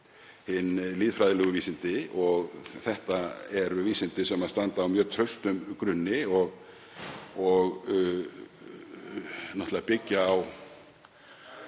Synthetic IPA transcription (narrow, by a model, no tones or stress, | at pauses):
hɪnliːðfɾajðɪlœːɣʏviːsɪnt̪ɪɔɣθɛht̪aɛɾʏviːsɪnt̪ɪsɛmaðst̪ant̪aːwmjœːɾt̪ʰɾœɥst̪ʏmkɾʏnːɪɔɣ | ɔɣ | naht̪lðapɪcːaːw